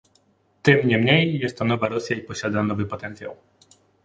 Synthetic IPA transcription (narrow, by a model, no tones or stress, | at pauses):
t̪ɪmɲɛmɲejːɛst̪ːɔnɔvaɾɔsʲjaipɔɕad̪anɔvɘpɔt̪ɛnt̪sʲja̰w